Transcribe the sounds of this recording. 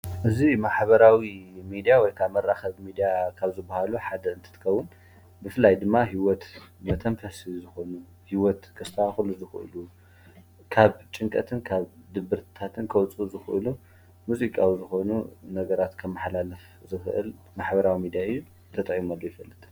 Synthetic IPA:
ʔɨzimaħbɐɾawimid̪ijawɔjkʰaβmɐɾːaxɐβmid̪ijakʰaβzɨbahaluħad̪ɐɨnt̪ʰɨt̪ʰɨ̥kʰɐwːʊn | bɨfɨlajd̪ɨmːaɦiwɔt̪mɐt̪ʰɐmfɐsizɨxo̞nu | hiwɔt̪kʰɐst̪ʰɐwaxɨluzɨxʔɨ̰lu | kʰaβt͡ʃʼɨŋkʼɐ̰t̪ʰɨnkʰaβd̪ɨbɨɾt̪ʰt̪ʰat̪ʰɨnkʰɐwt͡sʼuzɨxʔɨ̰lu | muzikʼawizɨxo̞nunɐɡɐɾat̪kʰɐmːɨħlalɐf | zɨxɨʔɨ̰l | maħbɐɾawimid̪ijaɨjːu | t̪ʰɐt̪ʼɐʔjimalːojɛfɐlːɨt̪ʰ

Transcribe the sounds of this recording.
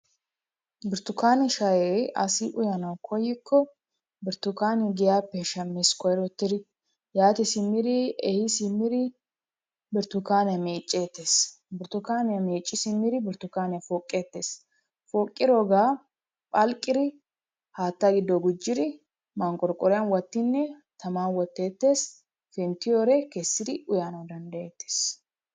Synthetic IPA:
bɪɾt̪ʊkaːnɛʃɐjeːɐ̰sɪʔʊjɐnɐwkʰɔjːɪkʰːɔ | bɪɾt̪ːʊkaːnɛɡɪjaːpːɛʃɐmːɪskʰɔjɾɔt̪ːɪɾɪ | jaːt̪ɪsɪmːɪɾɪɛhɪsɪmːɪɾɪ | bɪɾt̪ːʊkaːnɛmeːt͡ʃʼːeːt̪ːe̞ːs | bɪɾt̪ʊkaːnɛmeːt͡ʃʼːɪsɪmːɪɾɪbɪɾt̪ʊkaːnɛfoːkʼːe̞ːt̪ːeːs | foːkʼːɪɾɔɡaː | pʼɐlkʼːɪɾɪ | haːt̪ːɐɡɪd̪ɔɡʊd͡ʒːɪɾɪ | maːŋkʼɔɾkʼɔɾɪjanwɐt̪ːɪnːɛt̪ɐmaːnwɔt̪ːe̞ːt̪ːe̞ːs | fɛnt̪ɪjoːɾekeːsːɪɾɪʔʊjaːnɐd̪ɐnd̪ɐʔeːt̪ːe̥ːs

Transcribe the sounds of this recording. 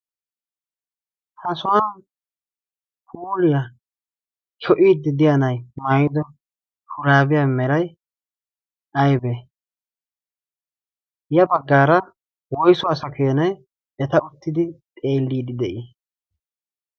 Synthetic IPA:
hɐsʊwaː | pʰuːlɪja | kʰɔʔiːd̪ɪd̪ɪjɐnɐjmajɪd̪ɔ | hʊɾaːbɪjaːmɛɾɐj | ɐjbe | jɐbɐɡːaːɾɐ | wɔjsʊaːsɐkʊjɐnɐj | ɛt̪ɐʊt̪ːɪd̪ɪt̪ʼe̞ːlːiːd̪ɪd̪ɛʔi

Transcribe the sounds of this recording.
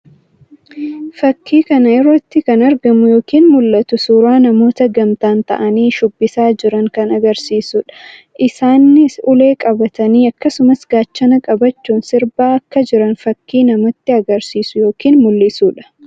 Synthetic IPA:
fɐkʰːiːkɐnɐɛɾɔt̪ːɪkɐnɐɾɡɐmʊjoːkiːnmʊlːɐt̪ʊsuːɾaːnɐmo̞ːt̪ɐɡɐmt̪aːnt̪ɐ̰ʔɐniːʃʊbːɪsaːd͡ʒɪɾɐŋkɐnɐɡɐɾsiːsʊᶑɐ̥ | ʔɪsaːnːɪsʊle̞ːkʼɐbɐt̪ɐniːɐkːɐsʊmɐsɡaːt͡ʃːɐnɐkʼɐbɐt͡ʃːuːnsɪɾbaːɐkːɐd͡ʒɪɾɐnfɐkːiːnɐmɐt̪ːɪɐɡɐɾsiːsʊjo̞ːkiːnmʊlːɪsuːᶑɐ̥

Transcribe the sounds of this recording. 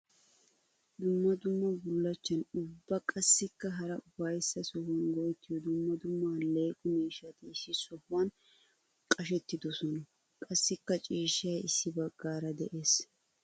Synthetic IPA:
d̪ʊmːɐd̪ʊmːɐbʊlːɐt͡ʃːɐnʊbːɐkʼɐsːɪkːɐɦɐɾɐʊfɐjsːɐsɔhwɐnɡɔjɛt̪ːɪjɔd̪ʊmːɐd̪ʊmːale̞ːkʼʊmiːʃːɐt̪ɪɪsːɪsɔhʊwɐn | kʼɐʃ̬ɛt̪ːɪd̪ɔsɔnɐ | kʼɐsːɪkːɐt͡ʃʼiːʃːɐjɪsːɪbɐɡːaːɾɐd̪ɛʔe̞ːs

